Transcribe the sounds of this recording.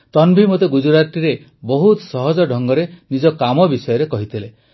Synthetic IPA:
t̪ɔnbʱimot̪eɡud͡ʒuɾat̪iɾe | bɔɦut̪sɔɦɔd͡ʒɔɖʱɔŋɡɔɾenid͡ʒɔkamɔbisɔjɔɾekɔɦit̪ʰile

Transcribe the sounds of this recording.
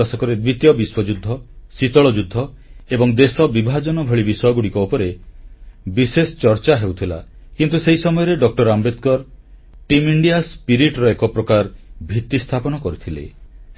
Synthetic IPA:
asɔkɔɾed̪wit̪jɔbiswɔd͡ʒud̪ʱːɔsit̪ɔɭɔd͡ʒud̪ʱːɔ | ebɔŋd̪esɔbibʱad͡ʒɔnɔbʱɔɭibisɔjɔɡuɽikɔopɔɾe | bisesɔ̥t͡ʃɔɾt͡ʃaɦewt̪ʰila̰ | kint̪useɦisɔmɔjɔɾeɖɔk̚ʈɔɾambet̪̚kɔɾ | ʈimiɳɖijaspiɾiʈɾɔekɔpɾɔkaɾbʱit̪ːist̪ʰapɔnɔkɔɾit̪ʰilḛ

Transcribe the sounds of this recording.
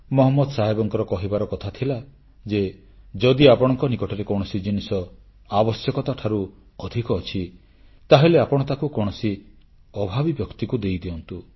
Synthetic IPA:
mɔɦɔmːɔd̪ɔsaɦebɔŋkɔɾɔkɔɦibaɾɔkɔt̪ʰat̪ʰila | d͡ʒe | d͡ʒɔd̪iapɔɽ̃ɔŋkɔnikɔʈʰɔɾekɔɽ̃ɔsid͡ʒinisɔ | abɔsjɔkɔt̪aʈʰaɾu | ɔd̪ʱikɔːt͡ʃʰi | t̪aɦeleapɔɽ̃ɔt̪akukɔɽ̃ɔsi | ɔbʱabibjɔkt̪ikud̪ejd̪eɔnt̪u

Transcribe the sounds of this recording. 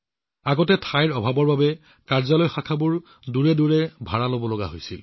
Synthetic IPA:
aɡɔtɛtʰajɹɔbʱabɔɹbabɛ | kaɹzalojxakʰabuɹ | duɹɛduɹɛbʱaɹalobɔloɡa̰ɦojsḭl

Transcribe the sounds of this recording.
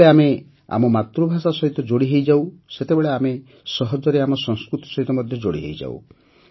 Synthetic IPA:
eame | a̰mɔmat̪ɾubʱasasɔɦit̪ɔd͡ʒoɽiɦejd͡ʒawset̪ebeɭeame | sɔɦɔd͡ʒɔɾeamɔsɔŋskɾut̪i̥sɔɦit̪ɔmɔd̪ʱjɔd͡ʒoɽiɦḛjd͡ʒa̰w̰

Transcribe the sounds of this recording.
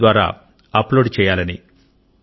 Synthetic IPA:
ʋaːɾa̰ː | ɐploːɖt͡ʃɛːjaːlɐnḭ

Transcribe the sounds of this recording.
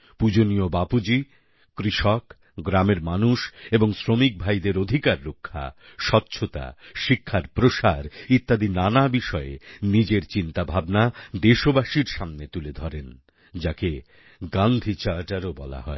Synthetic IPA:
pud͡ʑonijobapud͡ʑi | kɾiʃɔk | ɡɾameɾmanuʃeboŋsɾomik̚bʱajd̪eɾod̪ʱikaɾːokʰːa̰ʃɔtːɕʰot̪a̰ʃikʰːaɾpɾoʃaɾit̪ːad̪inanabiʃɔḛnid͡ʑeɾt͡ɕint̪abʱabnad̪eʃobaʃiɾʃamnet̪uled̪ʱɔɾen | d͡ʑake | ɡand̪ʱit͡ɕaɾʈaɾobɔla̰ɦɔ̰e

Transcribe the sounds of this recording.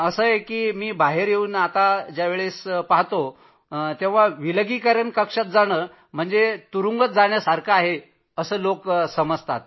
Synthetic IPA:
əsəjekiːmiːbaɦeɾjeuːnat̪ad͡ʑjaʋeɭespaɦt̪o | t̪ẽʋ̤aʋiləɡikəɾənkəkʂat̪̚d͡zaɽ̃əː | m̤əɳd͡zet̪uɾuŋɡət̪̚d͡zaɳjasaɾkʰaːɦe | əsəːloksəməd͡zʱt̪at̪̚

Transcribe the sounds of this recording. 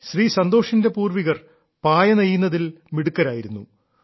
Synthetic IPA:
ɕriːsɐnd̪o̞ːʂinde̞puːrʋiɣɐr | paːjɐnejːunːɐðilmiɽukːɐɾaːjiɾunːṵ

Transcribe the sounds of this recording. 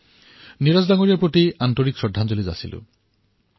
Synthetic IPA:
niɾazd̪aŋoɾijapɾot̪iant̪oɾikʃɔdʱːand͡ʑolid͡ʒa̰sḭlṵ

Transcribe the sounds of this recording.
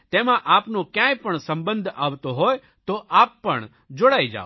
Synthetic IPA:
t̪emãʔapnokjãjpəɳsə̃mbənd̪ʱaʋt̪oɦɔj | t̪oʔapːəɳ | d͡ʒoɽaid͡ʒa̰o

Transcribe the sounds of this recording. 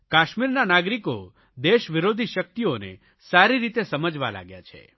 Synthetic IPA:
kaʃmiɾnanaɡɾiko | d̪eʃʋiɾod̪ʱiʃək̚t̪ionḛ | saɾiɾit̪esəməd͡ʒʋa̰la̰ɡja̰t͡ʃʰḛ

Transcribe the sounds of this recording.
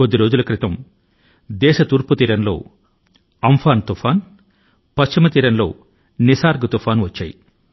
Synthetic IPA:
od̪ːiɾo̞ːd͡ʒulɐkɾɪt̪ɐm | d̪ɛːʃɐt̪uːɾput̪iːɾɐnlo̞̰ː | ɐmfʰaːnt̪ufʰaːn | pɐst͡ʃimɐt̪iːɾɐnlo̞̰ː | nisaːɾɡɐt̪ufaːnʋɐt͡ʃːa̰ːjḭ

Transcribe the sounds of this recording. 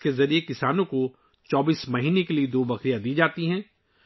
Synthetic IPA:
kezɐɾiekɪsaːnõko | t͡ʃɔːbiːsmɐɦiːnekelied̪oːbɐkɾijad̪iːd͡ʒaːt̪iɦɛ̃ː

